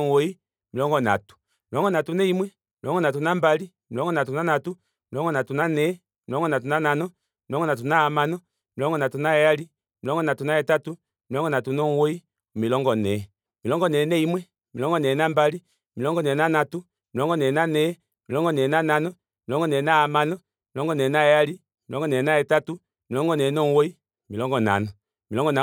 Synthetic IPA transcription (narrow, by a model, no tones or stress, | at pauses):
ŋwɔi | milɔŋɡɔna̰tu̥ | milɔŋɡɔnatunɛimwɛ | milɔɡɔnat̬unambali | milɔŋɡɔnatunanatu | milɔŋɡɔnatunanɛ | milɔŋɡɔnat̬unananɔ | milɔŋɡɔnat̬unaamanɔ | milɔŋɡɔnatunajɛjali | milɔŋɡɔnatunajɛtatu | milɔŋɡɔnatunɔŋwoi | milɔŋɡɔnɛ | milɔŋɡɔnɛnɛimwɛ | milɔŋɡɔnɛnambali | milɔŋɡɔnɛnanatu | milɔŋɡɔnɛːnanɛ | milɔŋɡɔnɛnananɔ | milɔŋɡɔnɛnaamanɔ | milɔŋɡɔnɛnaɛjali | milɔŋɡɔnɛnaɛtatu | milɔŋɡɔnɛnɔŋwoi | milɔŋɡɔna̰nɔ | milɔŋɡɔna